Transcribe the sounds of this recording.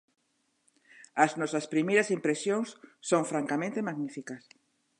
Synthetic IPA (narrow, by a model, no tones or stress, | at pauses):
ɐznɔsɐspɾimejɾɐsimpɾesjoŋsːoŋfɾaŋkamẽnt̪emaɣnifikɐs